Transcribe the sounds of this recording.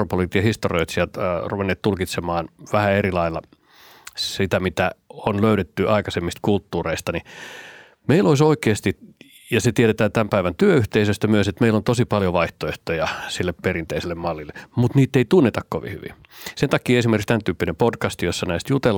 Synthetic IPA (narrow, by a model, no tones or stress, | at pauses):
ropolit̪jɑhist̪orioit̪siælt̪ruʋenːeːt̪t̪ulkit̪semɑːnʋæhæerilɑilːɑ | sit̪æmit̪æonløyɾet̪ːyʔɑikɑsemːist̪kult̪ːuːreist̪ɑni | meiloisoikeːst̪i | jɑset̪ieɾet̪æːt̪æmpæiʋænt̪yøyht̪eisøst̪æmyøset̪meilːont̪osipɑljoʋɑiht̪oeht̪ojɑsilːepperint̪eiselːemmɑlːilːemut̪niːt̪ːeit̪unːet̪ɑkkoʋḭhy̰ʋḭ | sent̪ɑkːˑiːesimerkikst̪ænt̪yːpːinempodkɑst̪josːɑnæist̪jut̪el